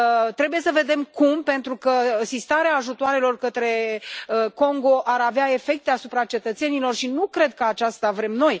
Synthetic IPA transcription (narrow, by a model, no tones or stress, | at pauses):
t̪ɾe̞buje̞səve̞d̪e̞mkumpe̞nt̪ɾukəɨsist̪aɾeaːʒut̪oaɾe̞lo̞rkət̪ɾe̞əko̞ŋɡo̞ʔaɾaveae̞fe̞k̚t̪e̞asupɾat͡ʃe̞t̪ət̪se̞nilo̞rʃinukɾe̞d̪̚kəat͡ʃast̪avɾe̞mno̞j